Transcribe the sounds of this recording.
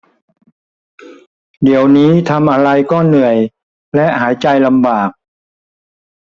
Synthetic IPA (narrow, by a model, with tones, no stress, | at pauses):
di˩˦əwniː˦˥t̪ʰa˧mʔa˧ɾa˧jkɔː˥˩nɯ˨˩əj | lɛ˦˥ʔhaː˩˦jt͡ɕa˧jla˧mbaː˨˩k̚